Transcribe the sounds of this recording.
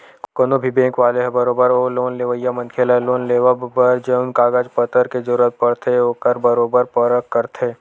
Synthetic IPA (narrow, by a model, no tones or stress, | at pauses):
konobʱibẽːŋkʋaːleɦɛbɐɾoːbəɾoːloːnleːʋəjamɐ̃nkʰelaɦloːnleːʋabəɾd͡ʒeʊnkaːɡad͡ʒpət̪əɾkezɐɾuːɾət̪̚pɐɽt̪ʰeoːkəɾbɐɾoːbəɾpəɾəkːɐɾt̪ʰeː